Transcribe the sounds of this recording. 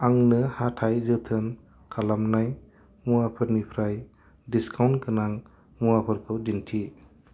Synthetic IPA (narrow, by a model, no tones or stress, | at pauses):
aŋnɯhatʰajzɯt̪ʰɯn | kʰalamnaj | muapʰɯɾnipʰɾaj | diskʰawnkʰɯnaŋ | muapʰɯɾkʰɯwdintʰi